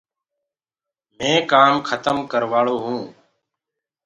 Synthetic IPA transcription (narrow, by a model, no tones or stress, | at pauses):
mẽːkaːmkʰət̪əmkəɾʋaːɭoːɦũː